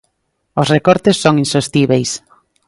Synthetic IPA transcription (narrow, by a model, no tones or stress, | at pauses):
osrekɔɾt̪ɪsːoŋinsost̪iβejs